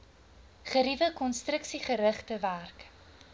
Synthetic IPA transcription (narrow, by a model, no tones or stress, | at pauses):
χəɾivəkɔnstrəksiχəɾəχtəværk